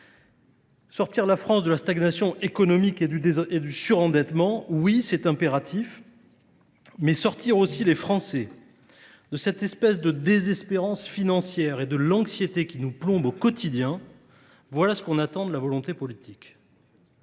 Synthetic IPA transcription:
sɔʁt̪iʁlafχɑ̃sd̪əlast̪aɡnasjɔ̃ekɔnɔmiked̪yed̪ysyʁɑ̃d̪ɛt̪mɑ̃wisɛt̪ɛ̃peʁat̪ʰif | mɛsɔʁt̪iʁosilefχɑ̃sɛ | d̪əsɛt̪ɛspɛsd̪əd̪ezɛspeʁɑ̃sfinɑ̃sjɛʁed̪əlɑ̃ksjet̪ekʲinuplɔ̃bokɔt̪id̪jɛ̃ | vwalasə̥kɔ̃nat̪ɑ̃d̪əlavɔlɔ̃t̪epɔlit̪ik

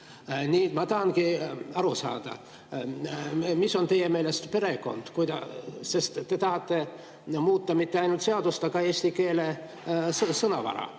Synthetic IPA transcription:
nʲiːmɑt̪ɑɦɑnkiɑɾusɑ̰ːd̪̥ɑ̰ | miso̞nt̪e̞jːeme̞ːle̞st̪pe̞ɾe̞ko̞̰nd̪̥kujd̪ɑse̞st̪t̪ːe̞t̪ɑɦɑt̪ːe̞ | muːt̪ːˑɑmit̪ːe̞ɑjnult̪se̞ɑd̪ust̪ɑkɑe̞ːsʲt̪ike̞ːle̞ | ssɤnɑ̰vɑ̰ɾɑ̰

